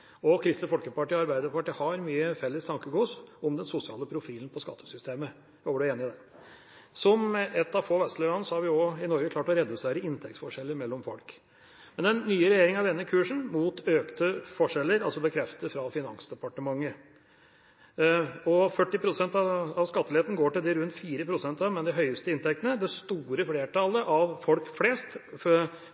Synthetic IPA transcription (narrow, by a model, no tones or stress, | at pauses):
ɔkʰɾɪst̪əfɔlkəpɑʈiːɔɑɾbæɪd̪əpɑʈiːhɑɾmyːəfɛlːəst̪ʰɑŋkəɡuːsɔmd̪ɛnsʊsɪɑ̰ːləpʰɾʊfiːln̩pʰɔskɑt̪ʰːə̥sʏst̪ʰeːmə | bɖʉeːnɪd̪ɛ | sɔmɛt̪ːɑʋfoːʋɛst̪lœʋɑnəsɔhɑɾʋɪɔɪnɔɾɡəkʰlɑːʈɔɾɛd̪ʉseːɾəɪnt̪ʰɛk̚t̪sfɔʂɛlːəɾmɛlːɔmfɔlk | mɛnɛnːyːəɾɛjeːɾɪŋɑʋd̪ɛnːəkʰʉːʂɳ̩muːt̪ʰøːkt̪əfɔʂɛlːəɾɑlsɔbəkʰɾɛft̪əfɾɑfɪnɑ̰ŋsd̪ɛpɑʈəmɑŋːə | ɔfœʈːɪpʰɾʊsɛnt̪ɑɑʋskɑt̪ːəlɪeːt̪n̩ɡoːʈɪld̪ɪɾʉnt̪fiːɾəpʰɾʊsɛnt̪ɑʋmɛnd̪ɛɦœʏəst̪əɪnt̪ʰɛk̚t̪ənəd̪ɛst̪uːɾəfleːʈʰɑləʔɑʋfɔlkfleːst̪